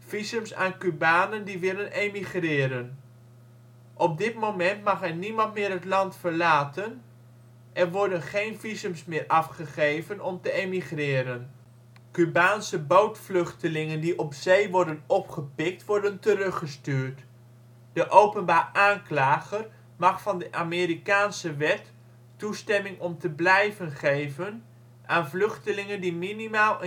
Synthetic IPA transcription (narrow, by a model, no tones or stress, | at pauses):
v̥izəmsa̰ːnkybaːnəndiʋɪlənemiχrɪːɾən | ʔɔp̚dɪtmowmɛntmɑχɛrnimɑntmɪːɾɦətlɑntfəɹlaːtən | ʔɛrʋɔɹdənχejnvizəmsmɪːɹʔɑfχəχejvənɔmtəemiχrɪːɾən | kybaːnsəbowtflɵχtəlɪŋəndiʔɔpzejʋɔɹdənɔpχəpɪk̚tʋɔɹdəntərɵχəstyːɹt | d̥əʔowpənbaːraːnklaːχər | mɑχfɑndəʔaːmɪːɾikaːnsəʋɛtː | ustɛmɪŋɔmtəblɛjvənχejvən | ʔaːnvlʏχtəlɪŋəndiminimaːlˠə